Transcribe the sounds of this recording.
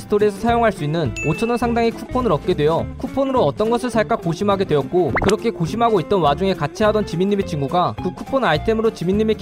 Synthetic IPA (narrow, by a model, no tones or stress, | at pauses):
sʰɯ̥tʰoɾiesʰʌsʰajoŋɦaɭs͈uinːɯnot͡ɕʰʌnʌnsʰaŋdaŋikʰupʰonɯɾʌp̚k͈e̞dwe̞jʌkʰupʰonɯɾoʌt͈ʌnɡʌsʰɯɭsʰaɭk͈akoɕʰimɦaɡe̞dwe̞jʌt̚k͈okɯɾʌkʰe̞koɕʰimɦaɡoit̚t͈ʌnwad͡ʑuŋe̞kat͡ɕʰiɦadʌnt͡ɕiminːimet͡ɕiŋɡuɡakɯkʰupʰonaitʰe̞mɯɾot͡ɕiminːime̞k